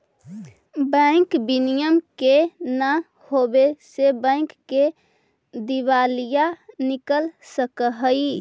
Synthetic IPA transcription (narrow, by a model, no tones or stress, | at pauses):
bə̃ŋkbinijəmkena | hobesebə̃ɪ̃kːe | d̪iʋalijanikəlsəkəɦəi